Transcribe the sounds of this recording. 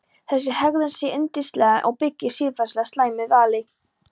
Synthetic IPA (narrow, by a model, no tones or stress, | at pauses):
θɛs̬ːɪhɛɣðʏnsjɛʔɪnt̪ist̪lɛɣaʔɔ̰ɣpɪcːɪsiːlfḁslɛɣast̪laːjmɪvaːlɪ